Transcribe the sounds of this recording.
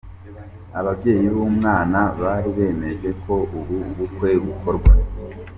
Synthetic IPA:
aβabɟe̞ːjiβumŋaːnaβaɾiβe̞ːme̞ʒe̞kʰo̞ʔuβuβukwe̞ɡuko̞ɾɡwa

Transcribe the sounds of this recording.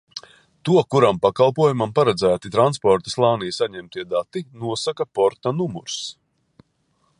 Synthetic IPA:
t̪uɔkuɾampakalˠpuɔjumampaɾɛd̪zæːt̪it̪ɾanspɔɾt̪aslˠɑːnijsaɲɛmt̪iɛd̪at̪inuɔsakapɔɾt̪anumuɾs

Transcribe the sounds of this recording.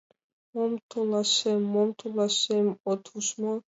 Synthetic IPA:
mɔmt̪ʰɔlaʃɛmɔmt̪ʰɔlaʃɛmɔt̪ʰuʃmɔ

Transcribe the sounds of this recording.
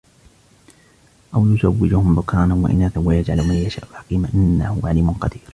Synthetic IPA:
ʔawjʊzawːɪd͡ʒʊhʊmbʊkʰaːnanwa̰ʔɪ̰naːθawajad͡ʒʕalʊwmajːaʃa̰ːʔlħɑ̥qiːmaʔɪnːahʊʕaliːmʊnqɑd̪iːɾ

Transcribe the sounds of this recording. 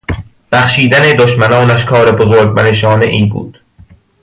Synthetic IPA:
b̥æxʃiːd̪æned̪oʃmænɒːnæʃkʰɒːɾebozoɾɡ̚mæneʃ̬ɒːneʔiːnbṵːd̪̥

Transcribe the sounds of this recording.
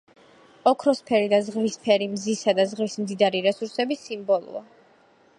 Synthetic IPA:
ɔkʰɾɔspʰɛɾid̪azʁvispʰɛɾimzisad̪azʁvismd̪id̪aɾiɾɛsuɾsɛbisimbɔlˠṵa

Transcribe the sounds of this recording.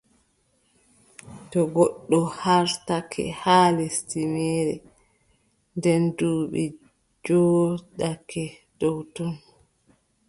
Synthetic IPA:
tɔɡɔɗːɔhaɾtakʰɛ̰haːlɛstimɛːɾɛ̰ | ndɛnduːɓɛ | d͡ʒɔːɗakɛ | d̥ɔwtɔn

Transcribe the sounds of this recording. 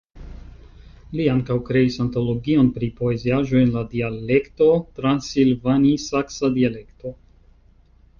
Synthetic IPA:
liaŋkawkɾe̞isanto̞lo̞ɡio̞npɾipo̞e̞ziaʒo̞jenladiale̞kto̞tɾansilvanisaksadiale̞kto̞

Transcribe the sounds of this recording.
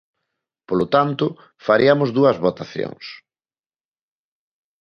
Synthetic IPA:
polot̪ant̪ʊ | faɾiɐmʊzðuɐzβot̪aθjo̰ŋs

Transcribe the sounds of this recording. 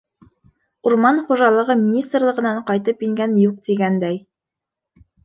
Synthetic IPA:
uɾmɑnχuʒɑlˠɤ̆ʁɤmʲinʲist̪rlˠɤ̆ʁɤ̆nɑɴqɑjt̪ɤpiŋɡænjuq̚t̪iɡænd̪æj

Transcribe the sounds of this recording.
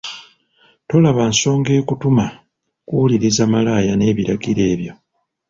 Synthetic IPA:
to̞laβanso̞ːŋɡe̞ːkutuma | kuliɾizamalaːjane̞ːβiɾaɡiɾe̞ːβjo̞

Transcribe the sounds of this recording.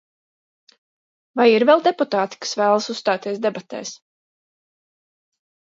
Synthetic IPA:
vajiɾvɛlˠd̪ɛput̪aːt̪i̥kḁsvæːlˠasusst̪aːt̪iɛsd̪ɛbat̪ɛ̰ːs

